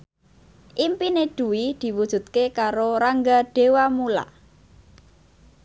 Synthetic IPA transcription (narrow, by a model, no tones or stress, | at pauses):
ʔimpineɖ̪̥ṳwid̪̥i̤wud̥ʒ̥ṳt̪̚kekaɾoɾaŋɡaɖ̥e̤wamula̰